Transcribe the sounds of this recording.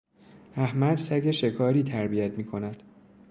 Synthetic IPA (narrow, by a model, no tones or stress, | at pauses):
æhmæd̪sæɟe̞ʃe̞kʰɒːɾiːt̪ʰæɾbijæt̪ʰmiːkʰo̞næd̪̥